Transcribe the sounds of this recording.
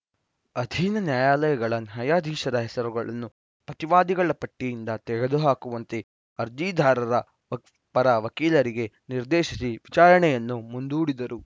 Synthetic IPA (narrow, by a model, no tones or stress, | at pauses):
ɐd̪ʱiːnɐnjaːjaːlɐjɐɡɐɭɐnɦɐjaːd̪ʱiːʃɐɾɐɦɛsɐɾuɡɐɭɐ̰nːu | pɾɐt̪iʋaːd̪iɡɐɭɐpɐʈːijind̪ɐt̪ɛɡed̪uɦaːkuʋɐnt̪e̞ | ɐɾd͡ʒiːd̪ʱaːɾɐɾɐ | pɐɾɐʋɐkiːlɐɾiɡe̞ | niɾd̪eːʃisiʋit͡ʃaːɾɐɳɛjɐnːumund̪uːɽid̪ɐɾu